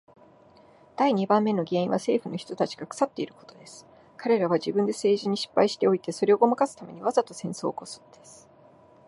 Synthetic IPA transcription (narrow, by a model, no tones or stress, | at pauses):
d̪̥aiɲ̟ibãmːe̞no̞ɡʲe̞ːĩβase̞ːɸɯ̟no̞çi̥t̪ot̪at͡ɕi̥ɡ̥akɯ̥sat̪ːe̞iɾɯ̟ko̞t̪o̞d̪e̞sɨ̥ | kaɾe̞ɾaβ̞aʑibɯ̟̃nd̪e̞se̞ːʑiɲ̟iɕi̥pːaiɕi̥t̪e̞o̞it̪e̞so̞ɾe̞o̞ɡo̞makasɨ̥t̪ame̞̰ɲ̟iβazat̪o̞sẽ̞ɰ̃so̞̰ːko̞sɨ̥nd̪̥e̞sɨ̥